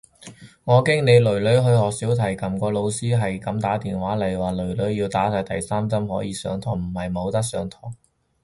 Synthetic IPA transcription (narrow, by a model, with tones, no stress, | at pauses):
ŋɔː˨˧kɛ˥ŋne˨˧lɵ˨˩ɥlɵ˨˥ɥɦɵ˧ɥhɔː˨k̚siː˨˥wt̪ʰɐ˨˩jkɐ˨mkɔː˧lo˨˧wsiː˥ɦɐ˨jkɐ˨˥mt̪aː˨˥t̪iː˨nwaː˨˥lɐ˨˩jwaː˨˩lɵ˨˩ɥlɵ˨˥ɥjiː˧wt̪aː˨˥saː˧˥jt̪ɐ˨jsaː˥mt͡sɐ˥mhɔː˨˥jiː˨˧sœ̰ː˨˧˥ŋt̪ʰɔː˨˩ŋm̩˨˩hɐ˨jmo˨˧wt̪ɐ˥k̚sœː˨˥ŋt̪ʰɔː˨˩ŋ